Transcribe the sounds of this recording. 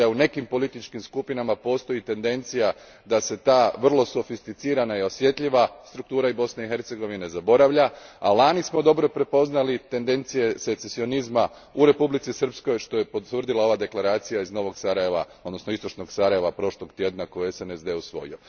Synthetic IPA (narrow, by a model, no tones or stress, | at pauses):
aune̞kimpo̞lit̪it͡ʃkimskupinamapo̞ːst̪o̞jit̪e̞nd̪e̞nt̪sija | d̪ase̞t̪aːʋr̩lˠo̞so̞fist̪it̪siːɾanaio̞sje̞t̪ʎʲiʋast̪ɾukt̪uːɾaibo̞sneixe̞ɾt̪se̞ɡo̞ʋine̞zabo̞ɾaʋʎaalaːnismo̞d̪o̞bɾo̞pɾe̞po̞znalit̪e̞nd̪e̞nt̪sije̞se̞t̪sesio̞nizma | uɾe̞publit̪sisr̩psko̞jʃt̪o̞jepot̪ʋr̩d̪ilao̞ʋad̪e̞klaɾaːt̪sijaizno̞ʋo̞ɡsaɾaje̞ʋa̰od̪no̞snoist̪o̞t͡ʃno̞ɡsaɾaje̞ʋapɾo̞ʃlˠo̞ɡt̪je̞d̪nako̞jeesenezd̪eːusʋo̞̰jḭo̞